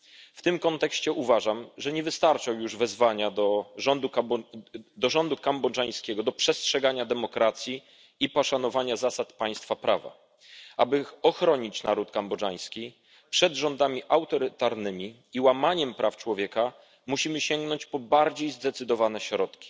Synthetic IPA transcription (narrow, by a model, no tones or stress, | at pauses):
ft̪ɘmkɔnt̪ɛkɕt͡ɕɛʔuvaʐamʐɛɲɛvɘst̪aɾt͡ʂawjuʐvɛzvaɲad̪ɔɔnd̪u | d̪ɔʐɔnd̪ukambɔd͡ʐaj̃skʲɛɡɔd̪ɔpʂɛstʂɛɡaɲad̪ɛmɔkɾat̪sʲji | ipɔʂanɔvaɲazasat̪paj̃st̪fapɾava̰ | ʔa̰bɘɔxɾɔɲit͡ɕnaɾut̪kambɔʐaj̃skʲi | pʂɛd̪ʐɔnd̪amʲiʔawt̪ɔɾɘt̪aɾnɘmʲi | iwamaɲɛmpɾʔaft͡ʂwɔvʲjɛka | muɕimɘɕɛŋɡnɔɲt͡ɕpɔbaɾd͡ʑejzd̪ɛt̪sɘd̪ɔvanɛɕɾɔt̪kʲi̥